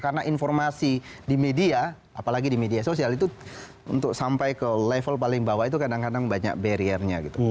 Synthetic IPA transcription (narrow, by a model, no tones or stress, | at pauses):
karnaʔinfɔrmasidimedia | apalaɡidimediasosialit̪u | unt̪ʊk̚sampajkəlɛfəlpalɪŋbawait̪ukadaŋkadaŋbaɲa̰k̚beɾiərɲa̰ɡit̪u